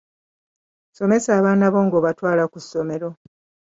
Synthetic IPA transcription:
so̞me̞saːβaːnaβo̞ːŋɡoβatwaːlakusːo̞me̞ɾo̞

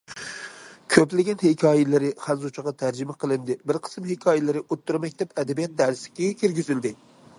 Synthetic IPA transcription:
kʲʰøplɪɡʲɛnhɪkʲʰɑːjɪlɪɾɪχæzut͡ʃʰɑʁɑt̪ʰæɾd͡ʒɪmɛqʰəlˠɨnd̪ɪbɪɾqʰə̥smhɪkʲʰɑːjɪlɪɾɪʔot̪ʰːuɾmɛk̚ʲd̪ɛpɛd̪ɛbijɛt̪̚d̪æɾsɪ̥kʲɪkʲʰeɾɡʲyzɪld̪ɪ

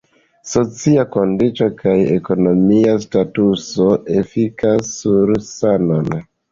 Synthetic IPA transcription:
so̞t͡siako̞ndit͡ʃo̞kʰaje̞̰ko̞no̞miastatuso̞ʔefikasːuɾsanon

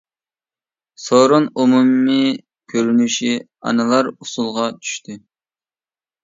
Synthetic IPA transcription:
soɾunumumːɨ | kʲʰøɾynyʃi | ɑ̰nɨlˠɑɾusulˠʁɑt͡ʃʰy̥ʃt̪ʰɪ

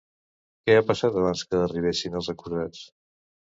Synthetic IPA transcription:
kɛapəsat̪əβ̞anskəːriβ̞esinəlˠzəkuɾðat͡s

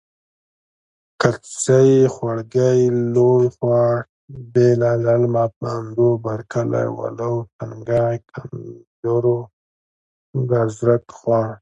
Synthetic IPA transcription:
kat͡sajxwaɽɡajlojχwɑʈ | belalalmapəːnd̪obaɾkʰala̰jwa̰lawt̪ʰaŋɡajkʰand͡ʒoɾo | d̪azɾat̪xwaɳ

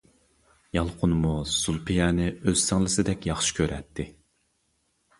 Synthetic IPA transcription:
jɑlˠqʰʊnmusulˠpʰijɛːnɪøz̥sɪŋlˠɪsɪd̪ɛkʲjɑχʃi̥kʲʰøɾɛt̪ʰːɪ

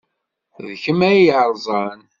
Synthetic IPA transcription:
ðçəmæjʕɾˤzˤɑn

